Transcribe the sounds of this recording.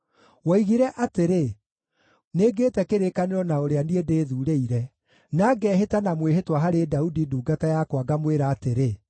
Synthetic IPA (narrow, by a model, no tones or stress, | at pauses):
waiɣiɾɛʔateɾe | neːɡetɛkeɾekaneɾɔnaoɾeaniedeːðuːɾeiɾɛ | naɡɛːɦetanamweɦetwaɦaɾedaudiduːɡatajakwaɡamweɾaːteɾe